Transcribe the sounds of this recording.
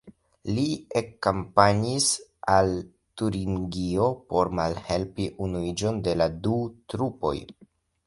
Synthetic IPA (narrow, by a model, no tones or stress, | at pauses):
liekampaɲisal | tuɾiŋɡio̞po̞ɾmalhe̞lpiʔunuid͡ʒo̞nde̞ladutɾupo̞̰j